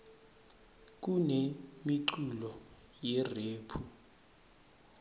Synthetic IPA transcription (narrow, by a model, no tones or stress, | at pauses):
k̬ʼunemiǀulɔ | jɛreːpʰu